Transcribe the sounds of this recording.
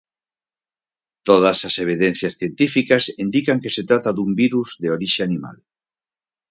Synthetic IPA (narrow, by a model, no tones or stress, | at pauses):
t̪oð̞asaseβ̞iðen̟θjasθjent̪ifikasind̪ikaŋkeset̪ɾat̪aðumbiɾuzðeoɾiʃeanima̰l